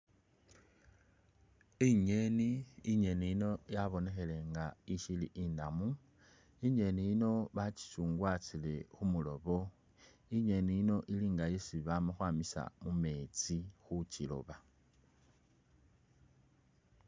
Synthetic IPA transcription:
iɲe̞niiɲe̞niino̞jaβo̞ne̞xe̞le̞ŋɡaiʃilḭʔindamu | iɲe̞nijino̞βat͡ʃi̥suːŋɡwat͡sile̞xumulo̞βo̞ | iɲe̞niino̞ʔiliːŋɡajesiβamoxwaːmisa̰mume̞t͡sixut͡ʃilo̞̰βa

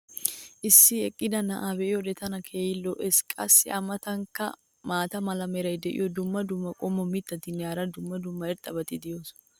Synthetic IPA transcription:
ʔɪsːɪɛkʼːɪd̪ɐnɐʔaːbɛɪɔd̪ɛt̪ɐnɐkʰejɪlːɔʔɛskʼɐ̰sːɪ̰ʔɐmɐt̪ɐŋkɐ̰ | maːt̪ɐmɐlɐmɛɾɐjd̪ɛʔɪ̰jɔd̪ʊmːɐd̪ʊmːɐkʼɔmːɔmɪt̪ːɐt̪ɪnːɛaːɾɐd̪ʊmːɐd̪ʊmːɐɛɾt̪ʼɐbɐt̪ɪd̪ɪjoːs

